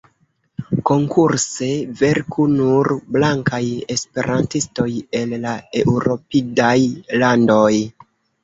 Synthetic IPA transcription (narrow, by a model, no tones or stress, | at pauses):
ko̞ŋkʰuɾse̞ve̞ɾkʰunuɾblaŋkaje̞spe̞ɾʔantisto̞je̞lːae̞uɾo̞pidajlando̞j